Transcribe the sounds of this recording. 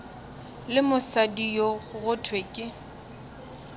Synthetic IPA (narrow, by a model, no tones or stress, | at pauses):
lɪmʊsadijoɣʊtʰwekʼɪ